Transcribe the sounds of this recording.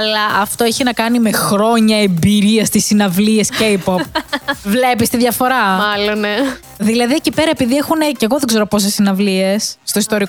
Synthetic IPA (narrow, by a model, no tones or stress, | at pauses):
ɐlɐʔɐft̪oeçinɐkɐnime̞xɾo̞ɲɐembiɾiɐst̪isinɐvliescejpopvle̞pist̪iðʝɐfo̞ɾɐɐlonne | ðilɐðiecipe̞ɾɐepiðiexune̞ceɣoðeɡze̞ɾopo̞s̬esinɐvliesːt̪o̞ist̪o̞ɾiko